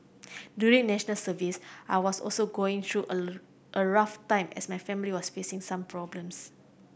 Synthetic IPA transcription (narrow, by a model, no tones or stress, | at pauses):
djuɹĩŋnɛʃənəlsəvisʔaɪwɔsɔ̰lsoɡoɪ̃ŋt̪ʰɹuʔə | ʔəɹaftãɪ̃mɛ̰smajfɛ̃miliwɔsfesɪ̃ŋsãmpʰɹɔblə̃ms